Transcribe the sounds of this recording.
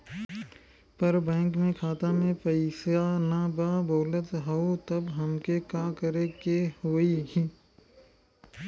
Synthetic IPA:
pəɾbɛ̃ːŋkmẽkʰaːt̪amẽpəɪsjanabaːboːlət̪ɦɐot̪əbɦəmkekaːkəɾekehoːiɦĩː

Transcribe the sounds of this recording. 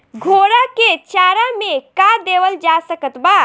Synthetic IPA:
ɡʱoːɾaket͡ʃaːɾamẽkad̪eːwəld͡ʒasəkət̪baː

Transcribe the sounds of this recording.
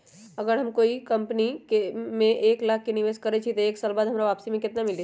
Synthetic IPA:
əɡəɾɦɐmkoːikəmpnikemẽʔeːklaːkʰːeniʋeːskəɾet͡ʃʰit̪oeːksaːlbaːd̪ɦɐmɾaʋaːpsimẽkɪt̪namɪli

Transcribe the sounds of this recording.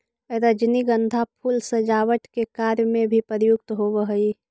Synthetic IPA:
ɾəd͡ʒniɡə̃nd̪ʱapʰulsəd͡ʒaːwəʈkekaːɾjmẽbʱipəɾjʊk̚t̪ɦoʋəɦəi

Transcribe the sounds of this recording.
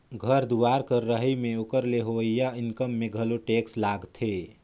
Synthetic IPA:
ɡʱəɾd̪uaːɾkəɾːəɦimẽʊkəɾleɦoijaɪnkəmːẽɡʱəloʈeːkslaːɡt̪ʰe

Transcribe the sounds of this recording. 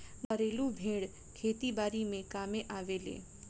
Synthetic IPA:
bɐɾeːlubʱẽːɽ | kʰeːt̪ibaːɾimẽkaːmẽʔaːʋeːlḛː

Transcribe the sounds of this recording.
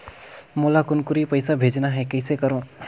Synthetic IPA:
molakʊnkʊɾipəɪsabʱed͡ʒnaɦɛkəɪsekəɾõ

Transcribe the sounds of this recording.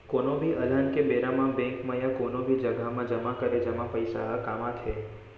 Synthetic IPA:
konobʱiʔələnkebeɾamãbɛ̃ŋkməjakonobʱid͡ʒəɡʱamãd͡ʒəmãkəɾed͡ʒəmãpəjsaɦəkamãt̪ʰe

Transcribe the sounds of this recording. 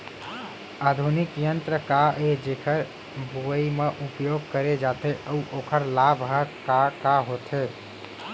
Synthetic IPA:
ad̪ʱunikjənt̪ɾəkaʔed͡ʒekʰəɾ | bʱuəimeʔupjoɡ̚kəɾed͡ʒat̪eʔəuʔokʰəɾlabʱɦəkakaɦot̪ʰe

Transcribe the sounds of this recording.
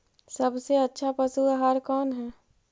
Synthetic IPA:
sɐbseɐtːʃʰapɐsuaɦaːɾkɔːnɦɛː

